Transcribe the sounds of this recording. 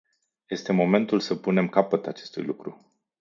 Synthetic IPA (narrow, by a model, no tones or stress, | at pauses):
je̞st̪e̞mo̞me̞nt̪ulsəpune̞mkapət̪at͡ʃe̞st̪ṵjlukɾu